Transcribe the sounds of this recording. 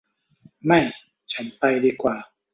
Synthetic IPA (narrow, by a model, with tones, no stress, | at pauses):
ma˥˩j | t͡ɕʰa˦˥npa˧jdiː˧˩kwaː˨˩